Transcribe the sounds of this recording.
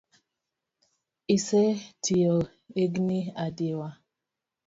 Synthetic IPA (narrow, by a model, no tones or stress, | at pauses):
isetʰijo | eɡniadewa